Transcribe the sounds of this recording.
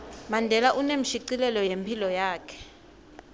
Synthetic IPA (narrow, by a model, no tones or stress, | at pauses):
mandʱɛlaʔunem̩ʃiǀilɛlɔjempʰilɔjaːkʰɛ̥